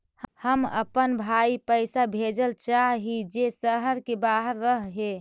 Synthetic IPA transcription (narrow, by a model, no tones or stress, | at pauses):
həmə̰pənbʱaipəjsabʱed͡ʒəlt͡ʃaɦɦid͡ʒesəɦəɾkebaɦəɾːəɦɦe